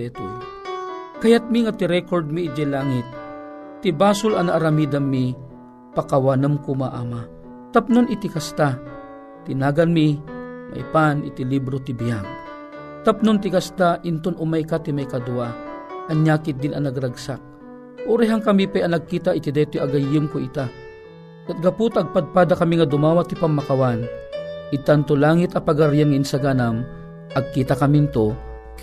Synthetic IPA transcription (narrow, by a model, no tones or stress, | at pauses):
ɛt̪u | kɐjat̪̚miŋat̪iɾɛkoɾd̪̚miːd͡ʒɛlaːŋɪt̪̚ː | ibaːsʊlɐnaʔːɾamid̪anmi | pakawanɨmkumaʔaːma | t̪ap̚nonɪt̪ikast̪a | t̪ɪnaːɡanmima̰jpanɪ̰t̪ilibɾot̪ibijaɡ̚ | t̪apnont̪̬ɪkast̪aʔɪnt̪onʔʊmajkat̪imajkɐd̪ʊaʔɐnjaːkɪt̪̚d̪ɪnɐnɐɡɾaɡsak̚ | ʔʊɾɛɦaŋkɐmipɛjɐnɐɡ̚kiːt̪aʔɪt̪ɪd̪ɛt̪ojʔɐɡɐjːʊmkoʔɪt̪a | kat̪̚ɡɐput̪ɐɡ̚pad̪̚paːd̪akɐmiŋɐd̪ʊmaːwat̪ːɪpaŋmːakawanʔɪt̪ant̪olaːŋɪt̪ɐpaɡaɾjaŋinsaɡanam | ʔɐɡ̚kiːt̪akɐmint̪o